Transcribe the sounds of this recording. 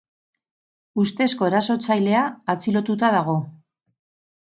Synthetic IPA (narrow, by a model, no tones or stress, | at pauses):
ust̪e̞sko̞eɾaso̞t͡sajle̞aːt͡silo̞t̪ut̪aðaɣ̞o̞